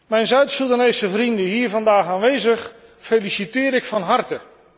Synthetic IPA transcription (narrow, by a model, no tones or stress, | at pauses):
mɛjnzœɥtsulˠdanejsəvrindəɦiːɹvɑndaːχaːnʋejzəχ | fejlisitɪːɾɪkfɑnɦɑrtə